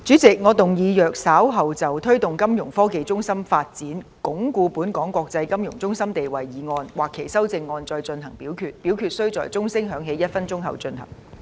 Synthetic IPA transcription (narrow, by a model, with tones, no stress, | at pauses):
t͡ʃyː˨˥t͡sɪ˨k̚ŋɔː˨˧t̪ʊ˨ŋjiː˨˧jœː˨k̚saː˨˥wɦɐ˨wt͡sɐ˨wt̪ʰɵ˥ɥt̪ʊ˨˩ŋkɐ˥mjʊ˨˩ŋfɔː˥ke˨jt͡sʊ˥ŋsɐ˥mfaː˧t̚t͡siː˨˥nkʊ˨˥ŋkuː˧puː˨˥nkɔː˨˥ŋkʷɔː˧k̚t͡sɐ˧jkɐ˥mjʊ˨˩ŋt͡sʊ˥ŋsɐ˥mt̪e˨jwɐ˨jːiː˨˥ŋɔː˧nwaː˨˩kʰːe˨˩jsɐ˥wt͡sɪ˧ŋːɔː˧nt͡sɔː˧jt͡sɵ˧nɦɐ˨˩ŋpiː˨˥wkʰyː˧t̚pi˨˥wkʰyː˨t̚sɵ˥t͡sɔː˨jt͡sʊ˥ŋsɪ˥ŋɦœː˨˧˥ŋɦe˨˧˥jɐ˥t̚fɐ˥nt͡sʊ˥ŋɦɐ̰˨wt͡ʃɵ˧nɦɐ̰˨˩ŋ